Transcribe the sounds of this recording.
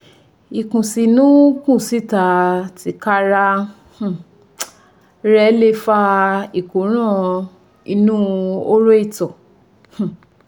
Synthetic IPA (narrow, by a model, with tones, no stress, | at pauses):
i˨kũ˨si˨nũ˨˦kũ˦˨si˦ta˨ti˨˦ka˦ɾa˧ | h̩˧˨ | ɾɛ˧˦le˦fa˧i˨kõ˨˦ɾ̃ã˦˨ | i˧nũ˦o˦ɾo˦i˦˨tɔ˨ | hũ˨